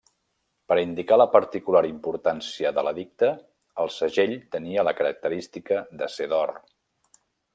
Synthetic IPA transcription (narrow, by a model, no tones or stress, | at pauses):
pəɾind̪ikaləpəɾt̪ikulaɾimpuɾt̪ansiəðələðik̚t̪əː | lˠsəʒeʎt̪əniələkəɾək̚t̪əɾist̪ikəðəseðɔr